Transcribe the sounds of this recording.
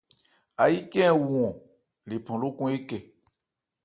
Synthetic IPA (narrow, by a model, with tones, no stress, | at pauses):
a˨ji˦kɛ̃˦˨wɔ̃˨ | le˨pɔ̃˨lo˦kũ˦e˦kɛ˨